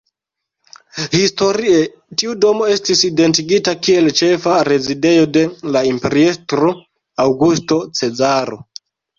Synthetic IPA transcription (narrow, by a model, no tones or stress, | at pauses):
histo̞ɾie | tiudo̞mo̞e̞stiside̞ntiɡitakie̞lt͡ʃe̞faɾe̞zide̞jo̞de̞laimpeɾiestɾo̞ | awɡusto̞t͡se̞zaɾo̞̰